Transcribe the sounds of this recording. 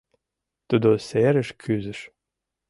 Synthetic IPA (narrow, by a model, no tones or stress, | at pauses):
t̪ud̪oseɾəʃkʰyzɘ̆ʃ